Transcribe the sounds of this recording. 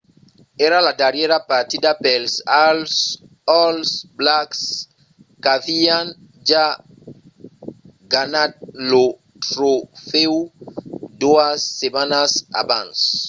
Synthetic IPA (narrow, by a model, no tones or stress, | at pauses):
ɛɾalad̪aɾjeɾapaɾt̪id̪apelsals | ɔlsblaks | kavian | ʒa | ɡanad̪̚lo | t̪ɾofew | d̪uasːemanasa̰bãns